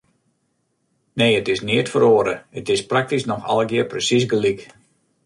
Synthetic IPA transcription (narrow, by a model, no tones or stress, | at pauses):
neːətɪsniətfəɾoːɾəətɪsprak̚tisnɔxɔ̰lˠəɡɪəprəsis̬ɡəlik